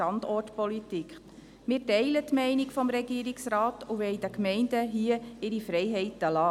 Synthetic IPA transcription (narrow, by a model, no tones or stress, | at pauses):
ɑndɔrtpɔlit̪ikχ | mɪːɾtɛɪlətmɛɪnikfɔmɾɛɡiːɾiksɾɑːtuʋɛɪdəkmɛɪndəɦiəɪɾifɾɛɪɦɛɪtəlɑː